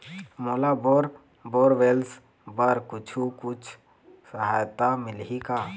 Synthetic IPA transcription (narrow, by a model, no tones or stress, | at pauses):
moːlaboɾ | boːɾʋeːls | bəɾkʊt͡ʃʰukʊt͡ʃʰ | səɦa̰ːjt̪amɪlɦika